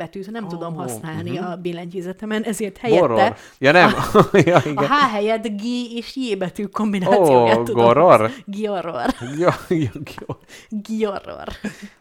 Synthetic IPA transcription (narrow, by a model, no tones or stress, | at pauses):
ɛt̪yːt̪nɛmt̪ud̪o̞mhɒsnnaːlniɒbeːlɛɲciːzɛt̪ɛmɛnʔɛzeːrt̪hɛjɾr | jɒnɛmjɒiɡɛɦaːɦɛjɛd̪ɡeːeːʃjeːbɛt̪yːko̞mbinaːoːijoːɛːuɡoɾorɡioɾorjoɡioɡioro̰r